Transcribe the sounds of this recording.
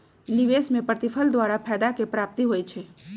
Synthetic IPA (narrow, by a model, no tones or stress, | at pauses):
liʋeːsmẽpɾət̪ɪpʰəld̪waːɾapʰɛːd̪akepɾaːp̚t̪iɦoːit͡ʃʰeː